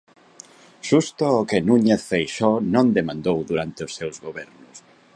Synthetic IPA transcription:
ʃust̪ʊokenuɲeθfejʃɔnõnd̪emãnd̪owðuɾant̪ɪʊsːewzɣoβɛɾnʊs

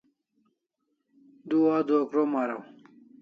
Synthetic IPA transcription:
d̪uaːd̪okɾomaːɾa̰w

